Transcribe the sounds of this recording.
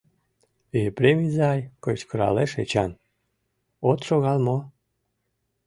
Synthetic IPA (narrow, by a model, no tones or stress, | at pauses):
epɾʲemʲizɑjkojt͡ɕkəɾɑ̰leʃet͡ɕɑn | ot̪ʃoɣɑlmo